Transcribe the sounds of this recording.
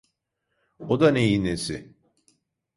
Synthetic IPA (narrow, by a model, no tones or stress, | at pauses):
od̪anejinesɪ̰